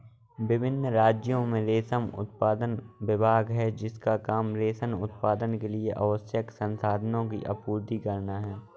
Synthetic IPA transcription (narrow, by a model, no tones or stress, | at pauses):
bɪbʱɪnːɾaːd͡ʒjõmẽɾeːsəmʊ̰t̪̚paːd̪ənʋɪbʱaːɡɦɛd͡ʒɪskakaːmɾeːsənʊ̰t̪̚paːd̪ənkelieʔɐʋəsjəksə̃nsaːd̪ʱənõk̬ḭʔɐ̰puːɾd̪ikɐɾnaɦɛː